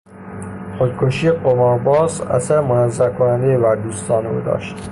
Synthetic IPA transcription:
xod̪̚kʰoʃiːeqomɒɾbɒːzæ̰sæɾemonæzːækʰonænd̪ejevæɾd̪uːst̪ʰɒːno̰d̪ɒ̰ːʃt̪

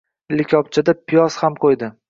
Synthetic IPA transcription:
lɪkʲʰɒp̚t͡ʃʰad̪apʰɪjɒshamqʰojd̪ɪ

